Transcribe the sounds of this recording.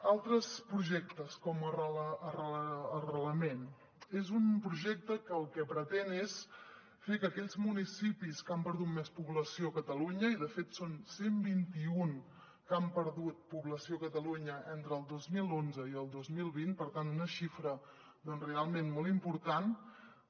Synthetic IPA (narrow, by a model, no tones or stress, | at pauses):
alˠt̪ɾəspɾuʒɛk̚t̪əskɔməəəərəəːrəələmen | ezumpɾuʒɛk̚t̪əkəːlˠkɛpɾət̪ɛnes | fekəkɛʎzmunisipiskampəɾðut̪mespuβləsiokət̪əluɲəiðəfet̪sonsembint̪iuŋ | kampəɾðut̪̚puβləsiokət̪əluɲəʔɛnt̪ɾəːlˠd̪ozmilˠonzəiəlˠd̪ozmilˠβint̪̚pəɾt̪ant̪unəʃifɾə | d̪ɔnrealˠmenmolˠimpuɾt̪an